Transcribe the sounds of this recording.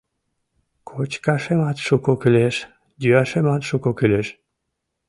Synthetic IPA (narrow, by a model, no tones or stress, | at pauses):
kʰot͡ɕkaʃemat̪ʃukokyleʃ | d̪yaʃemat̪ʃukokyleʃ